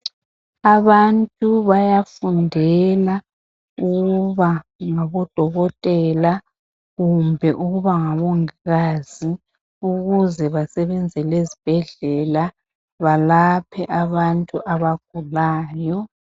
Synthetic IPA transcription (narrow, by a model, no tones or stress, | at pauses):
aβantʼuβajafundʱɛla | uɣuβaŋaβɔd̥ʱɔɣɔtʼɛla | ɣumbʱɛʔuɣuβaŋaβoŋiɣaːz̥i | uɣuzɛβasɛβɛnd͡zʱɛlezib̥ʱɛɮɛla | βalapʰɛʔaβantʼuʔaβaɡ̥ʱulaːjɔ